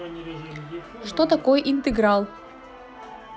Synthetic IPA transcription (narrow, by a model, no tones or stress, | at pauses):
ʂt̪ot̪akojʔint̪ɨɡɾɑlˠ